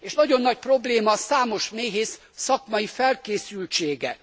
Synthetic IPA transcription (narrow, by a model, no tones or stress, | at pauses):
eːʃnɒɟo̞nːɒc̚pro̞bleːmɒsaːmo̞ʃmeːɦeːsː | ɒkmɒjifɛlkeːsylt͡ʃeːɡɛ